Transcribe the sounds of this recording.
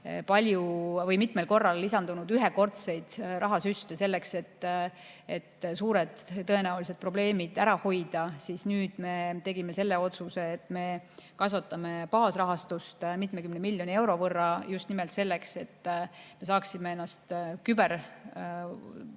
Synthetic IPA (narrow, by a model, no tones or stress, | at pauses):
pɑlʲjuvɤjmit̪ˑmelko̞rːɑlːisɑnd̪̥unud̪̥yɦeko̞rt̪se̞jd̪̥rɑɦɑsyst̪ese̞lːe̞kse̞t̪ː | e̞t̪ːsuːɾed̪̥ːɤ̞e̞næulis̬e̞d̪̚pro̞ble̞ːmid̪̥æɾɑho̞jd̪̥ɑsiːsnyːd̪̥me̞t̪e̞ɡime̞se̞lːeo̞t̪suse̞ːt̪ːˑme̞kɑsʋɑt̪ːˑɑme̞pɑːsrɑɦɑst̪ust̪mit̪mekymnemilʲːjo̞nʲie̞wɾo̞vɤrːɑjust̪nimelt̪se̞lːe̞kse̞t̪ːmes̬ɑːksimeenːɑst̪kyber